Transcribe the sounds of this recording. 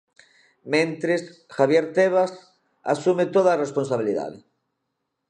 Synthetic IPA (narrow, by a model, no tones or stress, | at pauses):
mẽnt̪ɾesxaβjeɾt̪eβ̞as | a̰sumet̪oðaresponsaβiliða̰ðḛ